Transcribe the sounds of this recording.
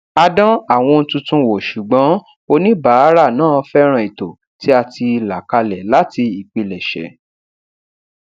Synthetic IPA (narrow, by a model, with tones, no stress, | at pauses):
a˧dɔ̃˦a˦˨w̃ɔ̃˧n̩˧tũ˧tũ˧wo˨ʃu˨ɡ͡bɔ̃˨˦ | o˧nĩ˦baː˨˦ɾa˦˨nãː˦˨fɛ˦ɾ̃ã˦˧i˨to˨ | ti˦a˧ti˧la˨ka˧lɛ˨la˦ti˧i˨k͡pi˧lɛ˨ʃɛ̰˨˦